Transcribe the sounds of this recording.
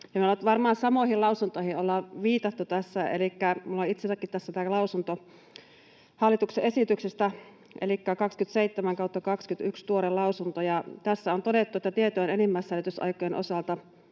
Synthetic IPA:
jɑmiolːɑt̪ʋɑrmɑːnsɑmoihilɑusunt̪oihiolːɑʋiːt̪ɑt̪ːut̪æsːæḛlikːæmulːoit̪sesækːit̪t̪æsːæt̪æːlɑusunt̪o | hɑlːit̪ukseʔesit̪yksest̪æ | ʔelikːækɑkskyt̪seit̪ːemæŋkɑut̪ːɑkɑkskyt̪ykst̪uoɾelɑusunt̪ojɑt̪æsːæont̪odet̪ːuet̪ːæt̪iet̪yenenimːæsːælyt̪ysɑ̰ikojenʔo̰sɑlt̪ɑ

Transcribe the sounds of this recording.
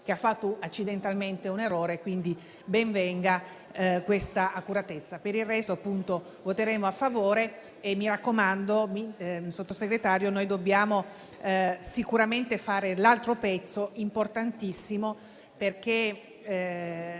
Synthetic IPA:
keafːat̪ːoat͡ʃːid̪ent̪alment̪euneroːɾekwind̪i | bɛɱvɛŋɡa | kwest̪aakuɾat̪et̪sːapeɾirrɛst̪oapːunt̪o | vot̪eɾeːmoafːavoːɾeː | mːiɾakːomand̪omisot̪ːoseɡɾet̪aːɾjonojd̪obːjaːmo | sikuɾament̪efaːɾelalt̪ɾopɛt̪sːoimport̪ant̪isːimo | perk̟e

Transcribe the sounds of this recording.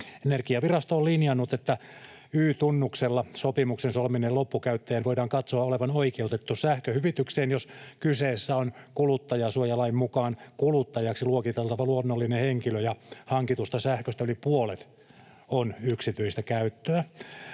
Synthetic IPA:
enerkiɑʋirɑst̪oːlinjɑnːut̪et̪ːæ | yːt̪unːukselːɑsopimuksensolminelopːukæyt̪ːæjænʋoidɑːŋkɑt̪soɑoleʋɑnoikeut̪et̪ːusæhkøhyʋit̪ykseːnjoskyseːsːæonkulut̪ːɑjɑsuojɑlɑimmukɑːnkulut̪ːɑjɑksiluokit̪ɑlt̪ɑʋɑluonːolːineheŋkiløjɑhɑŋkit̪ust̪ɑsæhkøst̪æylipuolet̪ | onyksit̪yist̪ækæyt̪ːøæ

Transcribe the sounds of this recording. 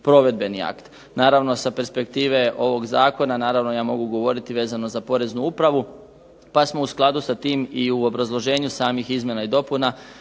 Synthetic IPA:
pɾo̞ʋe̞d̪̚be̞nia̰kt̪ | naːɾaʋno̞sape̞ɾspe̞kt̪iːʋe̞ʔo̞ʋo̞ɡzaːko̞nanaːɾaʋno̞jaːmo̞ɡuɡo̞ʋo̞ɾit̪iʋe̞ːzano̞zapo̞ɾe̞znuupɾaʋu | pasmo̞usklˠad̪usat̪iːmiuo̞bɾazlˠo̞ʒe̞ːɲusaːmixizmje̞naid̪o̞puna

